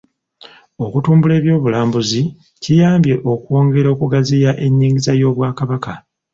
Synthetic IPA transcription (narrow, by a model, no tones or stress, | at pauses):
o̞kutuːmbule̞ːβjo̞ːβulaːmbuzi | cijaːmbje̞ʔo̞kwo̞ːŋɡe̞ɾo̞ːkuɡazijaʔe̞ɲːiːŋɡizajo̞ːβwaːkaβaka